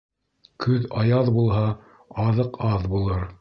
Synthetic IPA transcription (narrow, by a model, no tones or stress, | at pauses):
kʰɵðɑjɑðbulˠɦɑ | ɑðɤqɑðbulˠɤɾ